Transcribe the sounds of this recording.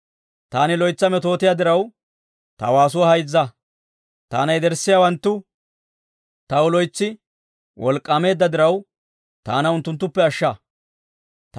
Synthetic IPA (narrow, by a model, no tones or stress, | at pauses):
t̪aːnɪlɔjt͡sːɐmɛt̪o̞ːt̪ɪjaːd̪ɪɾɐw | t̪ɐ̰waːs̬ʊwɐhɐjd͡zːɐ | t̪a̰ːnɐjd̪ɛɾsːɪjawɐnt̪ːʊ | t̪ɐwʊlɔjt͡sːɪ | wʔɔlkʼːɐme̞ːd̪ːɐd̪ɪɾɐw | t̪aːnɐʊnt̪ːʊnt̪ːʊpːɛɐʃːɐ | t̪